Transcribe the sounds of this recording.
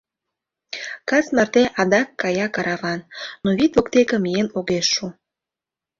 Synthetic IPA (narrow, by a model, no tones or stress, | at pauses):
kɑsmərt̪eʔɑd̪ɑkːɑjɑkɑɾɑβɑnːoβit̪okt̪ekə̆mienoɣeʃːu